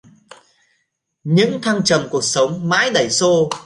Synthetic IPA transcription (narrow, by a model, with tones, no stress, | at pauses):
ɲɨ̰˧˥ŋt̪ʰa˧ŋt͡ɕə˨˩mku˨˩ək̚sə˨˦wŋ͡mma̰ː˧˥jɗə˧˩jso˧